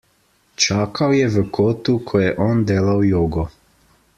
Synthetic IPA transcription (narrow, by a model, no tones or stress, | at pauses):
t͡ʃaːkʰawjɛʋəkʰoːt̪ukʰɔjɛʔɔːnd̪eːlawjoːɡɔ